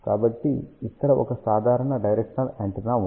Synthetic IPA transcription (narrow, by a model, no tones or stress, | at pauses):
kaːbɐʈːiit̪ːɐɾɐʔɔ̰kɐsaːd̪ʱaːɾɐɳɐɖɐjɾekʂɐnɐlɐɳʈinaːu